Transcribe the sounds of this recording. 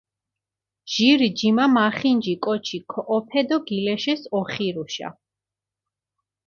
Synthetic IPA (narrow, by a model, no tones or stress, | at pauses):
ʒ̥iɾid͡ʒimamaχind͡ʒikʼɔt͡ʃʰikʰɔʔːpʰɛd̪ɔɡilɛʃɛsɔχiɾuʃa̰